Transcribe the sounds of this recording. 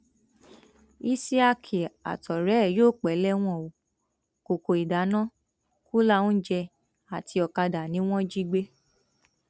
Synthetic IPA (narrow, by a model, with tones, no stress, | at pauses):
i˦si˦a˧kʰi˨a̰˨tɔ˨ɾɛ˨˦˨joː˦˨k͡pɛ˨˦lɛ˦w̃ɔ̃˦˨o˨ | ko˨ko˨i˨da˨˦nã˦ | ku˦la˦wũ˦d͡ʒɛ˧ | a˨ti˧ɔ˧ka˧da˨nĩ˨˦w̃ɔ̃˦d͡ʒi˦ɡ͡be˦